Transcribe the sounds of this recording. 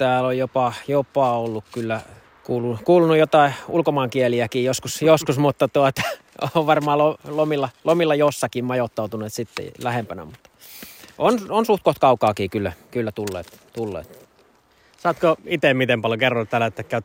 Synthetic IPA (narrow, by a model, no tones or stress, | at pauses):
t̪æːlojjopɑjopɑolːukkylːæ | kuːlunukuːlunujjot̪ɑˑiulkomɑːŋkieliækiːjoskusjoskusmut̪ːɑt̪uɑt̪ɑ̥ | oʋʋɑrmɑːlolomilːɑlomilːɑjosːɑkimmɑjot̪ːɑˑut̪uneːt̪sit̪ːḛlæhempænæ̰mut̪ːɑ̥ | ʔononsuht̪̚koht̪kɑukɑːkiːkylːækylːæt̪ulːḛːt̪ | t̪ulːḛːt̪ː | sɑːt̪koit̪emmit̪empɑljokerːot̪t̪ælæet̪ːækːæyt̪